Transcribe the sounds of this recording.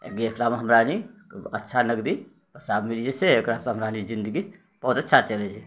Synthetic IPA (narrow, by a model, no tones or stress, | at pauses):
ḛɡeekɾameɦəmɾaniətːʃʰanəɡd̪i | pəsabmilid͡ʒeseekɾaseɦəmɾanid͡ʒind̪əɡi | b̥əɦut̪ətːʃʰat͡ʃəlɛt͡ʃʰɛ